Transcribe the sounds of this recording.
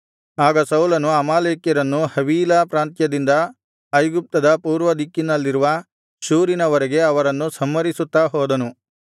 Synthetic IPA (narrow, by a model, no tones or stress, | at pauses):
aːɡɐsɐwlɐnuɐmaːleːkjɐɾɐnːuhɐʋiːlɐpɾaːnt̪jɐd̪ind̪ɐː | jɡup̚t̪ɐd̪ɐpuːɾʋɐd̪ikːinɐlːiɾuʋɐ | ʃuːɾinɐʋɐɾeɡe̞ɐʋɐɾɐnːusɐmːɐɾisut̪ːaːɦɔːd̪ɐnu